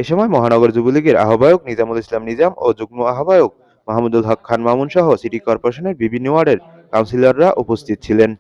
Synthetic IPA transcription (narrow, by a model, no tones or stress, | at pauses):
eʃɔmɔemɔɦanɔɡoɾd͡ʑubuliɡeɾa̰ɦobajoknid͡ʑamulislamnid͡ʑamod͡ʑuɡ̚moaɦobajok̚ | mɔɦamud̪ulɦɔkʰːanmamunʃɔɦosiʈikɔɾpoɾeʃoneɾbibʱinːowaɾɖeɾ | kawnsilaɾːaʔupost̪ʰit̪̚t͡ɕʰilen